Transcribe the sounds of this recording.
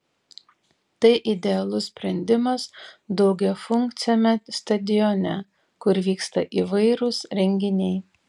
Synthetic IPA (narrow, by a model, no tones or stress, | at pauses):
t̪ɐɪʔɪd̪ʲɛɐlˠʊsʲsʲpʲɾʲɛnʲd̪ʲɪmɐsd̪ɐʊɡʲɛfʊŋkt̪sʲɛmʲɛst̪ɐd̪ʲɪjɔnʲɛ | kʊɾʋʲiːkst̪ɐʔiʋɐɪɾʊsɾʲɛŋʲɡʲɪnʲɛɪ